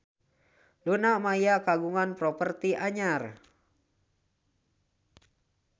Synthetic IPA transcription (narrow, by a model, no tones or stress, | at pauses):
lunamajakaɡuŋanpɾɔpərt̪iʔaɲar